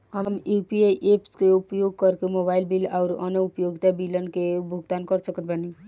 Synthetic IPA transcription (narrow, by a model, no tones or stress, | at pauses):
həmjuːpieʔeːpskeʊpjoːɡ̚kəɾkemoːbaːɪlbilɔːɾɔ̰nəʊpjoːɡt̪abilənkebʱʊɡt̪aːnkəɾsəkət̪̚bəni